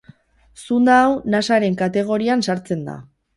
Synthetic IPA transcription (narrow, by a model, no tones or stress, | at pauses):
sund̪aːwnasaɾe̞ŋkat̪e̞ɣ̞o̞ɾiansaɾt͡se̞nd̪a̰